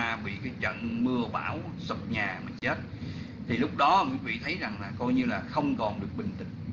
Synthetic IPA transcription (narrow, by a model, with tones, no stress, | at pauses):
aː˧ɓḭ˧˨kaː˨˦jt͡ɕə̰˧˨nmɨ˧əɓa̰ː˧˩w | sə˨˩p̚ɲaː˨˩mï˨˩t͡ɕe˦˥t̚ | t̪ʰi˨˩lʊ˦˥k͡p̚ɗɔ˨˦˨ŋwḭ˧˨˦vḭ˧˨t̪ʰə˨˦jza˨˩ŋlaː˨˩kɔ˧jɲɨ˧laː˨˩xə˧wŋ͡mkɔ˨˩nɗɨ˨˩ək̚ɓï˨˩ŋ̟t̪ï˨˩ŋ̟